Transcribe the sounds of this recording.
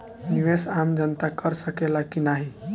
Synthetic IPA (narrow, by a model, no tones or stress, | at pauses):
niʋesamd͡ʒənt̪akəɾsəkelakinaɦi